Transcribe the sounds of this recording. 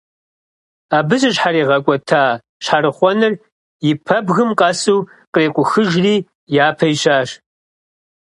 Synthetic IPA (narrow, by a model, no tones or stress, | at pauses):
aːbɨzɐɕħaɾiːʁɐkʷʼɔtʰaː | ɕħaɾɨχʷɔnɨr | jɪpʰɐbɣɨmqɐsuː | qreːkʷʼʊxɨʒriː | jaːpʰɐjɕaːɕ